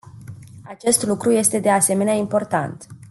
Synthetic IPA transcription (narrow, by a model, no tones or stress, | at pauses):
at͡ʃe̞st̪lukɾuje̞st̪e̞d̪e̞ase̞me̞neaimpo̞rt̪a̰nt̪